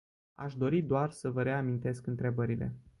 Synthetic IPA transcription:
a̰ʃd̪o̞ɾid̪oarsəvəɾe̞amint̪e̞skɨnt̪ɾe̞bəɾile̞̰

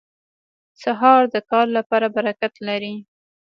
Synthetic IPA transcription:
saɦɑɾd̪əkɑɾlapɑɾabaɾakat̪laɾi

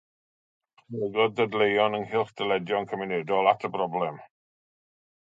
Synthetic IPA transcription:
χnɛɡɔddədlejɔnənhɪlˠχd̥əlɛdjɔnkʰəmɪnɛdɔlˠatʰəbrɔblɛm

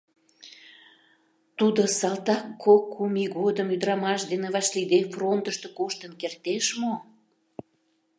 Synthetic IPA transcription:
t̪ud̪osɑlt̪ɑkʰːokʰːumiɣod̪əmyd̪əɾɑmɑʃd̪enevɑʃlid̪efront̪əʃt̪okoʃt̪ənkert̪eʃmo

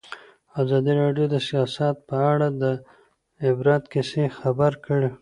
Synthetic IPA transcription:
azɑd̪iɾɑɖjod̪əsijɑsat̪̚pəaɽad̪ə | ɪbɾɑt̪kɪsexabaɾkəɽe

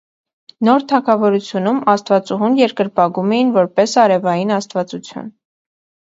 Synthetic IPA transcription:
nɔɾt̪ʰɑkʰɑvɔɾut͡sʰjunumɑst̪vɑt͡suɦunjɛɾkəɾpɑɡumɛjinvɔɾpɛsɑɾɛvɑjinɑst̪vɑt͡sut͡sʰjṵn

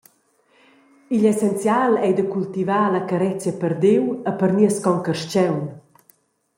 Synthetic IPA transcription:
ilɛsɛnt͡sjalɛjd̪əkult̪ivaːlakəɾɛt͡sjəpəɾd̪ewəpəɾniəskɔŋkəʃt͡ɕɛwn

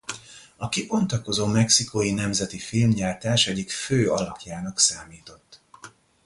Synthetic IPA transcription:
ɒkibo̞nt̪ɒko̞zoːmɛksikojinɛmzɛt̪ifilmɟaːlt̪aːʃɛɟikføːɒlɒpjaːnɒksaːmiːt̪o̞t̪ː

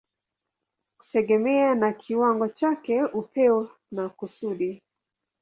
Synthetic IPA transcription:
ku̥tɛɡɛmɛanakʰiwaŋɡɔt͡ʃakɛupɛwa | nakusuɗi

